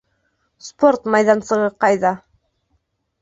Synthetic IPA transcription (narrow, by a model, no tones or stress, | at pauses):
spo̞ɾt̪mɑjðɑnsɤ̆ʁɤqɑjðɑ